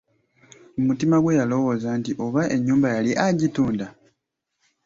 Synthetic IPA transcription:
umutimaɡwe̞jalo̞wo̞ːzantiʔo̞βaʔe̞ɲːuːmbajaliʔaɟituːnda

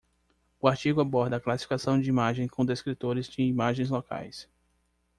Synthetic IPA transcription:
ʊaɾt͡ʃiɡʊabɔɾd̪ɐːklasi̥fikasɐ̃w̃d͡ʒɪimaʒẽj̃kõd̪eskɾit̪oɾɪzd͡ʒɪimaʒẽj̃zloka̰js

